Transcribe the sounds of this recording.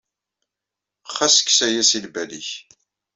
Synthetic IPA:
χːæsə̥kːsæjæsilbælḭç

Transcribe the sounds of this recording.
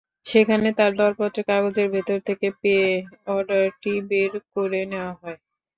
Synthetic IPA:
ʃekʰanet̪aɾd̪ɔɾpɔt̪ːɾekaɡod͡ʑeɾbʱet̪oɾt̪ʰekepeeɔɾɖaɾʈibeɾkoɾeneoaɦɔe

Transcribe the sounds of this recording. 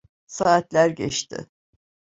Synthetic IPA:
saːt̪lʲæɾɟɛ̰t͡ʃt̪ʰɪ̰

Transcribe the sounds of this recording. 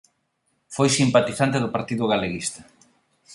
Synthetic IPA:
fojsimpat̪iθant̪eðʊpaɾt̪iðʊɣaleɣist̪ḁ

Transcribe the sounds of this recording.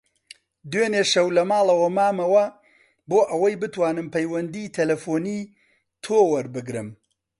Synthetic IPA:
d̪weːneːʃɐwlɐmaːlˠɐwɐmaːmɐwɐ | boːʔɐwɐjbɨt̪waːnɨmpʰɐjwɐnd̪it̪ʰɐlɐfoːniː | t̪ʰoːwɐɾbɨɡɾɨm

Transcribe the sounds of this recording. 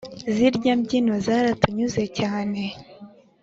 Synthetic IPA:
ziɾɟambɟinozaɾatuɲuze̞caːne̞

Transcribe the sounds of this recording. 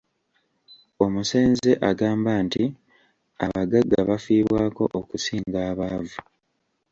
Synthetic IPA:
o̞muse̞ːnze̞ʔaɡaːmbanti | a̰βaɡaɡːaβafiːβwaːko̞ʔokusiːŋɡaːβaːvu

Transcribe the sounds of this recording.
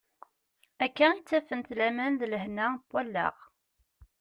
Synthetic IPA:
ækːæit͡sːæfənt̪læmænðləhnæpːwælːə̰ʁ

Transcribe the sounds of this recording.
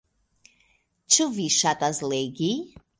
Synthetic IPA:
t͡ʃʰɨviʃat̪ʼazlɛɡi

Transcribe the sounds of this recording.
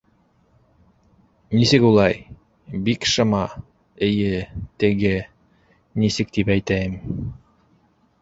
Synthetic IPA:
nisɘkulˠɑj | bikʃɤ̆mɑ | ɘ̆jɘt̪ɘ̆ɡɘ | nisɘk̚t̪ipæjt̪æjɘm

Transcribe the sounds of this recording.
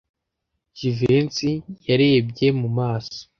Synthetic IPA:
d͡ʒivensijaɾeːb̚ɟe̞mumaːso̥

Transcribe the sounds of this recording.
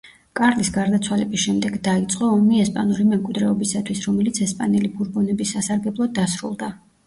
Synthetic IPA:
kʼaɾlisɡaɾd̪at̪sʰwalɛbisʃɛmd̪ɛɡd̪ait̪sʼqʼɔːmiɛspʼanulimɛmkʼwid̪ɾɛɔbisat̪ʰwisɾɔmɛlit̪sʰɛspʼanɛlibuɾbɔnɛbisːasaɾɡɛblˠɔd̪ːasɾṵlˠd̪a

